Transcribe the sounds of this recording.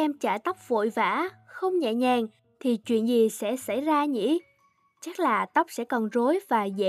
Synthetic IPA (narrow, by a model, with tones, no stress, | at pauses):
ɛ˧mt͡ɕa̰ː˧˩t̪ə˦˥wk͡p̚vo̰˧˨jva̰ː˧˥xə˧wŋ͡mɲɛ̰˧˨ɲɛ˨˩ŋ | t̪ʰi˨˩t͡ɕwḭ˧˨ənzi˨˩sɛ̰˧˥sa˧˩jzaː˧ɲḭ˧˥ | t͡ɕa˦˥t̚laː˨˩t̪ə˦˥wk͡p̚sɛ̰˧˥kɔ˨˩nzo˨˦jvaː˨˩zḛ˧˨